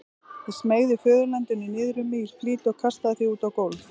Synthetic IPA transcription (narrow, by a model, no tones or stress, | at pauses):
ismeːɣðʏfœːðʏɾlɛnt̪ʏnːɪnɪːðɾʏmiːl̥pliːt̪ɔɣkʰast̪aðɪθiuːt̪awkowlθ